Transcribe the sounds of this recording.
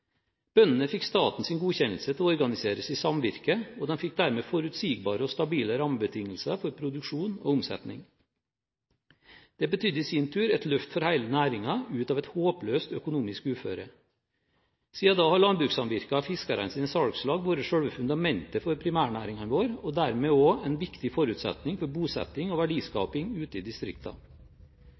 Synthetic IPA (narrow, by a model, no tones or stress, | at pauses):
b̥œnən̩əfɪkːst̪ɑːt̪n̩sɪːnɡuːçɛnl̩sət̪ʰɪlɔɔɾɡɑnɪseːɾəsiːsɑmʋɪɾkəɔd̪ɛnfɪk̚ːd̪æɾmeːfɔɾʉt̪siːɡbɑːɾəɔst̪ɑbiːləɾɑməbət̪ʰɪŋːəl̩sɑfɔɾpʰɾʊd̪ʉkʂuːno̰ːʊmsɛ̰t̪nɪ̰ŋ | d̪̥ɛbət̪ʰʏd̪əiːsint̪ʰʉːɾɛt̪lœft̪fɔɾhæɪlənæːɾɪŋɑʉːt̪ɑːʋɛt̪hoːpløːst̪œkʊnuːmɪskʉːfø̰ːɾə | siːɑd̪ɑːhɑɭɑnbɾʉːksɑnʋɪɾkɑɑfɪskɑɾɑ̰nsiːnəsɑɽkslɑːɡʋoːɾəʂœɽʋəfʉnd̪ɑmɛnt̪əfɔɾpʰɾɪmæːɳæːɾɪŋɑnʋoːɾɔd̪æɾmeːoːɛnʋɪkt̪ɪfɔɾʉːt̪sɛ̰t̪nɪŋfɔɾbuːsɛ̰t̪ːɪŋɔʋæɖiːskɑ̰ːpɪŋʉːt̪əid̪ɪst̪ɾɪ̰kt̪ʰɑ̰